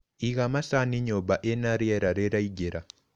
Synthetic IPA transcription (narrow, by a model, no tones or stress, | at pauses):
iɣamasaniɲoβaʔenaɾieɾaɾeɾaiɟeɾa